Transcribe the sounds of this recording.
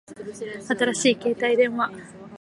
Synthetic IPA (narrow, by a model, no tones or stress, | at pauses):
at̪aɾaɕiːke̞ːt̪aid̪ẽ̞ɰ̃βa